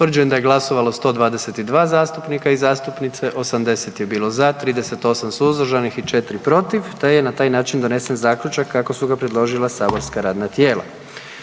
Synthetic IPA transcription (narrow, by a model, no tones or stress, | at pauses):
ʋrd͡ʒujemd̪ajɡlˠaso̞ʋalˠost̪o̞ːd̪ʋaːd̪eset̪id̪ʋaːzaːst̪upnikaizaːst̪upnit̪seʔo̞samd̪e̞se̞t̪je̞biːlˠo̞zat̪ɾiːd̪e̞se̞t̪o̞samsuzd̪r̩ʒanixit͡ʃe̞t̪ɾipɾo̞t̪iʋt̪ajenat̪aːjnaːt͡ʃind̪o̞ne̞senzaːklʎut͡ʃakʰːako̞suɡapɾed̪lˠo̞ʒilˠasaːbo̞ɾskaɾaːd̪nat̪je̞ːlˠa̰